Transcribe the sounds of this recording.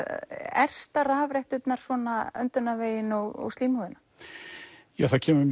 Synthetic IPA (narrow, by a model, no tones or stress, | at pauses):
ɛr̥st̪araːvɾaht̪ʏt̪naɾ̥svɔːnaœ̰nt̪ʏnːaveːjɪnɔɣɔ̰ɣst̪liːmhuðʏnḁ | jaːθaðcʰɛːmʏm